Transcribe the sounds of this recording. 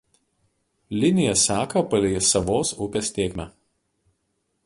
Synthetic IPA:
lʲɪnʲɪjɛsʲæːkɐpɐlʲɛsɐʋoːsʊpʲesʲt̪ʲeːkʲmʲɛ

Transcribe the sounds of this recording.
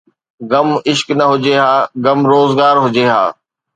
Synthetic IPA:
ɡɐmɪʃknɐɦʊd͡ʑeɦaːɡɐmɾoːzɡaːɾɦʊd͡ʑeːɦa̰ː

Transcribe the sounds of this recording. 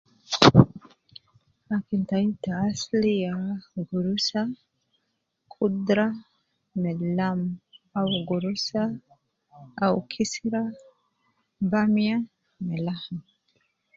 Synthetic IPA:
akintaitaːslijaɡuɾusa | kʰudɾa | mɛlamawɡuɾusa | awkʰisiɾa | bamia | mɛlahma

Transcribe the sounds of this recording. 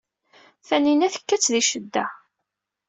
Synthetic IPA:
θæninæθə̥kːæt͡sːðiʃəd̪ːæ

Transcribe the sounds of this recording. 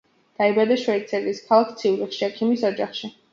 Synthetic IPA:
d̪̥aibad̪aʃwɛit̪sʰaɾiːskʰalˠakʰt̪sʰiuɾiχʃiɛkʰimisɔd͡ʒaχʃi

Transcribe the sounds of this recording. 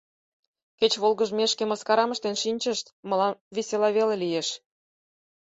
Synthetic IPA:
kʲet͡ɕβolɣə̆ʒmeʃkeməskɑɾɑmə̆ʃt̪enʃinʲt͡ɕə̆ʃt̪mɤ̆lɑnveselɑβelʲelijeʃ

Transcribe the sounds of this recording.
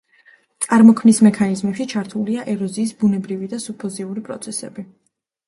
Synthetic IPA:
t̪sʼaɾmɔkʰmnismɛkʰanizmɛpʃit͡ʃʰaɾt̪ʰuliaʔɛɾɔziːsbunɛbɾivid̪asupʰɔziuɾipʼɾɔ̰t̪sʰɛsɛ̰bi

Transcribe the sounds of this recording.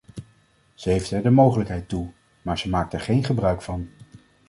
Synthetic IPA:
z̥əɦejftɛɹdəmowχələkɦɛjtu | maːɹz̥əmaːk̚tɛɹχejnχəbrœɥkfɑn

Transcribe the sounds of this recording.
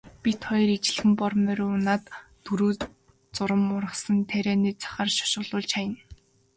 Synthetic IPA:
pʲit̪χɔjɞ̆ret͡ɕɪ̆ɮxɘ̆mpɔrmœɾeːʊnaːt̪ʰː | ɵɾuː | t͡sʊɾə̆mʊɾə̆χsə̆nt̪ʰæɾeːniːt͡sʰḁχaːrʃɔ̥ʃʊːɮʊːɮt͡ɕajə̆n

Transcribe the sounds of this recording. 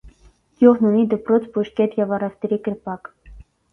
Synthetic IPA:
juʁnunid̪əpɾɔt͡sʰpuʃkɛt̪jɛvɑrɛft̪əɾikəɾpɑk

